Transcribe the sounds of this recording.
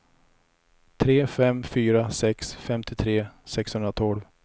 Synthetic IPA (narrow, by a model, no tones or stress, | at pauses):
t̪ʰɾeːfɛmːfyːɾasɛksfɛmt̪ʰɪt̪ʰɾeːsɛkshɵnd̪ɾat̪ʰɔlv